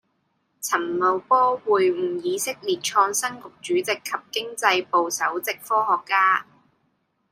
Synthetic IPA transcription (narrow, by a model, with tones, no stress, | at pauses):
t͡sʰɐ˨˩mmo˨wpɔː˥wuː˨jm̩˨˩jiː˨˧sɪ˥k̚liː˨˩t̚t͡ʃʰɔː˧ŋsɐ˥ŋkʊ˨k̚t͡ʃyː˨˥t͡sɪ˨kʰːɐ˨p̚kɪ˥ŋt͡sɐ˧jpo˨wsɐ˨˥wt͡sɪ˨k̚fɔː˥hɔː˨kːaː˥